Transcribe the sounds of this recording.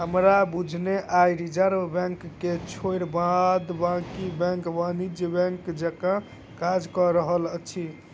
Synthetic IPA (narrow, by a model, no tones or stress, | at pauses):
ɦəmɾabud͡ʒʱneʔajɾid͡ʒəɾbɛ̃ŋkːet͡ʃʰoiɾbãd̪bãkibɛ̃ŋkʋanid͡ʒjəbɛ̃ŋkd͡ʒəkã | kad͡ʒkɔɾəɦələt͡ʃʰi